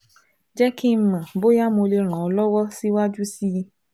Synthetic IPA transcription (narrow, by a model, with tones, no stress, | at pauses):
d͡ʒɛ˦ki˦m̩˦mã˨bo˦ja˦mõ˧le˧ɾ̃ã˨ɔ˧lɔ˦wɔ˦si˦wa˦d͡ʒu˦si˦